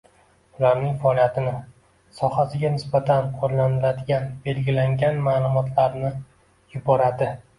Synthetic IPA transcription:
ʊlaɾnɪŋfaɒlˠijat̪ʰɪnɪ | sɒhasɪɡʲanɪsbat̪ʰanqʰoɾlanɪlad̪ɪɡʲanbe̞lɡʲɪlaŋɡʲanmaːlˠʊmɒt̪ʰlaɾnɪ | jʊbɒɾad̪ɪ

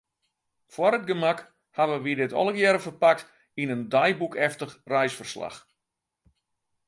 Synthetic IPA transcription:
fwɔɾət̚ɡəmak | haʋəʋidɪtɔ̰lˠəɡjɛɾəfərpak̚t | inəndajbukɛftəxrɛjsfərsla̰x

